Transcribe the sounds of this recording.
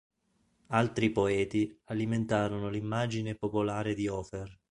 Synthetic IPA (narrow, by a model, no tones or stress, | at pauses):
alt̪ɾipoɛːt̪ialiment̪aːɾonolimːad͡ʒinepopolaːɾed̪iɔːper